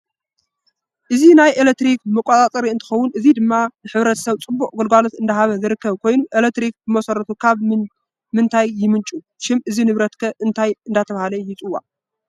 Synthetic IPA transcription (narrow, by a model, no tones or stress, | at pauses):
ʔɨzinajelek̚t̪ɾikmɨkʷʼːat̪ʼat͡s̪ʼɐɾiɨnt̪ʰɨ̥xɐwːʊnɨzid̪ɨmːanɨħɨβɾɐt̪ʰsɐβt͡sʼɨbːuʔʼɡolɡalot̪ɨnd̪ɐɦaβɐzɨɾɨkːɐβkʰo̞jnuʔelek̚t̪ɾik̚bɨmɐsɐɾɐt̪ʰukʰaβ | mɨnt̪ʰajːɪmɨnt͡ʃʼu | ʃɪmʔɨzinɨβɾɐt̪kʰɐʔɨnt̪ʰajɨnd̪at̪ʰɐβahalɐjɪt͡sʼɨwːa̰